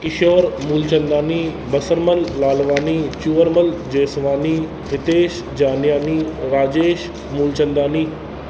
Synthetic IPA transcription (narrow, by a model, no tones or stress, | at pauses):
kɪʃoːɾmuːlt͡ʃənd̪aːniː | bəsəɾməlːaːlʋaːniːt͡ʃuʋəɾməld͡ʒeːsʋaːniː | ɦɪt̪eːʃ | d͡ʒaːnɪjaːniːɾaːd͡ʒeːʃ | muːlt͡ʃənd̪aːniː